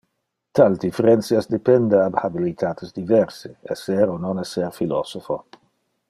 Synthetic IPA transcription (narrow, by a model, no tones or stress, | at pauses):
t̪ald̪ifeɾɛnt̪siasd̪epɛnd̪eabhabilit̪ʰaːt̪ezd̪ivɛɾseɛsɛɾononɛsɛɾfilɔ̰sofo